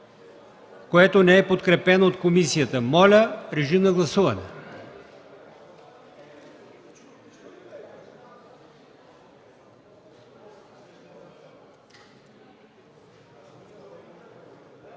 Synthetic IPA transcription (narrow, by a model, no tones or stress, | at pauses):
koɛt̪onɛɛpot̪kɾɛpɛnoot̪komisijət̪əmɔlʲəɾɛʒinɐɡlˠɐsuvɐnɛ